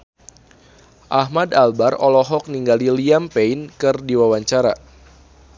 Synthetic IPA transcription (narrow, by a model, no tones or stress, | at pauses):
ʔahmadalbarɔlɔɦɔk̚niŋɡaliliampeinkɨrdiwawaɲt͡ʃaɾa